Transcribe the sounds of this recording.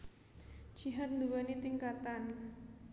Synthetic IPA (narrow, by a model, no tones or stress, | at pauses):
t͡ʃiɦat̪̚nduwanit̪iŋkat̪an